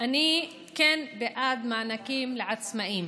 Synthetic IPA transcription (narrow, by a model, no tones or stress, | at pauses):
ʔani | keːnbɪʔaːd̪maʕnakiːmlɪʕad̪smaʔiːm